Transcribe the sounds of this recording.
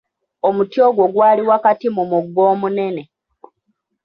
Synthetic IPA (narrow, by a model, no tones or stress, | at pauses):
o̞mutjo̞ːɡwo̞ɡwaːliwakatimumuɡːo̞ːmune̞ne̞